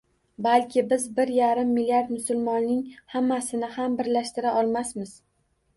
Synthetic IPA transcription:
balkʲʰɪbɪzbɪɾjaɾɪmːɪlːiaɾd̪mʊsʊlˠmɒnnɪŋhamːasɪnɪhambɪɾlaʃt̪ɪɾaʔɒlˠmasmɪz̥

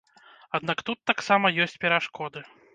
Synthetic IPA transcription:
ad̪nakt̪ut̪ːaksamɐjɔsʲt͡sʲpʲɛɾaʂkɔd̪ɨ

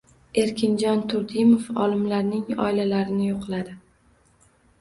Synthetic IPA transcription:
e̞ɾkʲʰɪnd͡ʒɒnt̪ʰʊɾd̪ɪmofɒlˠɪmlaɾnɪŋɒ̰ɪlalaɾɪnɪjoqʰɨlˠad̪ɪ

